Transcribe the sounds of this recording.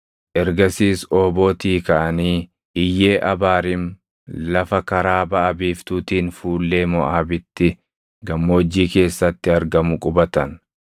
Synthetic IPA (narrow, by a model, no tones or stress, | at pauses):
ʔɛɾɡɐsiːsoːbo̞ːt̪iːkɐʔɐniː | ʔɪjːe̞ːʔɐbaːɾɪm | lɐfɐkɐɾaːbɐʔɐbiːft̪uːt̪iːnfuːlːe̞ːmɔʔaːbɪt̪ːɪ | ɡɐmːoːd͡ʒːiːke̞ːsːɐt̪ːɪɐɾɡɐmʊkʼʊbɐt̪ɐn